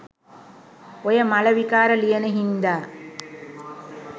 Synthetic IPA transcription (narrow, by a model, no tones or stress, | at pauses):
ojɐmɐlɐʋikaːɾɐlijɐnəɦind̪aː